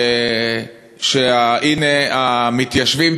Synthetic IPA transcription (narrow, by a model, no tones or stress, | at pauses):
ʃeaʔineamit̪jaʃvim